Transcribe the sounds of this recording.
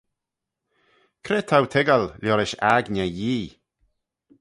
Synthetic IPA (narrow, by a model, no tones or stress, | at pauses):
kʰɾeːt̪ʰawt̪ʰɪɡalljɔɾɪʃaɡnʲɛjiː